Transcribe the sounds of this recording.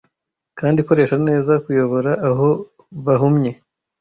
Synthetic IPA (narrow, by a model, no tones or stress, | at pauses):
kaːndiko̞ɾe̞ːʃane̞ːzakujo̞βo̞ɾaʔːɦo̞ | βaɦumɲe̞